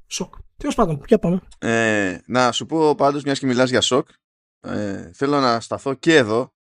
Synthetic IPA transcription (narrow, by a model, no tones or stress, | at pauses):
sokt̪iospɐnd̪onçɐpɐmeenɐsupo̞pɐnd̪ozmɲɐscemilɐzʝɐso̞k | ḛθe̞lo̞nɐst̪ɐθo̞ce̞ːðo̞